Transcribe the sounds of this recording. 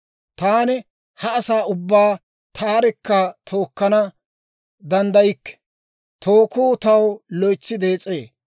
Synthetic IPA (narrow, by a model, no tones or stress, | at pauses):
t̪aːnɪ | hɐːsaːʊbːaː | t̪ʰaːɾɛkːɐt̪ʰoːkːɐnɐ | d̪ɐnd̪ɐjɪkːɛ̥ | t̪ʰoːkuːt̪ɐwlɔjt͡sːɪd̪e̞ːt͡sʼeː